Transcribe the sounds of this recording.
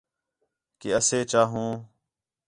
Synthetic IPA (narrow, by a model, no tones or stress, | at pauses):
keəseːt͡ʃaːɦũː